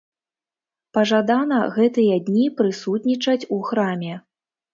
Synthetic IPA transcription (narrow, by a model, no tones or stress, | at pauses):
pɐʐad̪an̪ɐɣɛt̪ɨjɐd̪ʲnʲipɾɨsut̪̚nʲit͡ʂɐt͡sʲuxɾamʲɛ